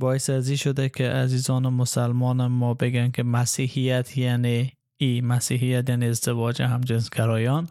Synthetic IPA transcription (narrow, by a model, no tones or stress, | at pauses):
bɒːesaziʃod̪akʰeʔazizɒːnɪmʊsalmɒnɪmɔbeɡankʰemasihijat̪ʰjani | imasiɦijat̪janiːzd̪ɪvɒd͡ʒeɦamd͡ʒensɡaɾɔːjɒn